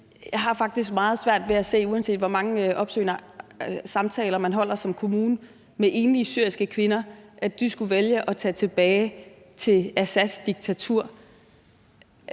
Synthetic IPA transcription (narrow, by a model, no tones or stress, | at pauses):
jɑ̈ɪɦɑ̈fɑ̈ɡ̥̚d̥isɡ̥̚mɑ̈ːð̞̩ˠsʋæɐ̰d̥ʋe̝æse̝̰ːuænse̝̰ːd̥ʋɒmɑ̈ŋəʔɒ̽b̥sø̰ːnɐ | sɑ̈mt͡sʰɛːlɐmænɦɒ̽l̰ɐsɒ̽mkʰo̝muːnə | meʔe̝ːnliəsyɐ̰isɡ̥əkʰʋe̝nɐʔæ̥d̥isɡ̥uʋeljəʔɒ̽t͡sʰɛ̰ːt͡sʰe̝b̥ɛːɪ | t͡sʰe̝læsæ̥sd̥iɡ̥̚t͡sʰæt͡sʰuɐ̰